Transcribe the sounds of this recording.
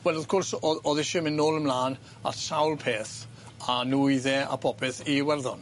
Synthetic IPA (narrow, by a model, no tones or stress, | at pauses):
wɛlˠəðkʰʊrsɔɔðɪʃəmɪnːoːlˠəmlaːn | a̰sawlˠpʰeːθ | anujðɛa̰pʰɔpʰɪθiwɛrðɔn